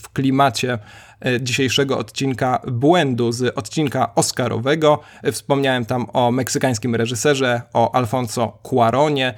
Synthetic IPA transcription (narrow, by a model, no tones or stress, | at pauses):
fklʲimat͡ɕɛ | d͡ʑiɕejʂɛɡɔɔ̰t̪t͡ɕinkabwɛnd̪uzɔt̪t͡ɕinkaʔɔskaɾʔɔ̰vɛɡɔ | fspɔmɲawɛmt̪amɔmɛksɘkaj̃skʲimɾɛʐɘsɛʐɛʔɔʔalfɔnsɔkwaɾʔɔɲɛ